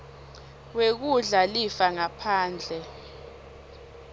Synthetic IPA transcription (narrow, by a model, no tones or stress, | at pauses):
wek̬uɮalifaŋapʰaːnd͡ɮʱɛ